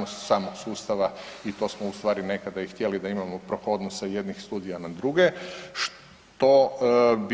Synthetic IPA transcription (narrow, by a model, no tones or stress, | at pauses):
nost̪saːmoɡsuːst̪aʋait̪o̞ːsmoust̪ʋaːɾine̞kad̪aixt̪je̞lid̪aimamo̞pɾokood̪nosajed̪nixst̪uːd̪ijanad̪ɾuɡeʃ | t̪o̞b